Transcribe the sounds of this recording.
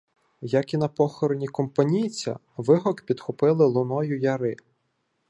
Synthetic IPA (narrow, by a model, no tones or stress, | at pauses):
jɐkinɐpɔxɔɾɔnʲikɔmpɐnʲijt͡sʲɐ̰ | ʋɪɦɔkpʲid̪̥xʊpɪlˠɪlˠʊnɔjʊjɐɾɪ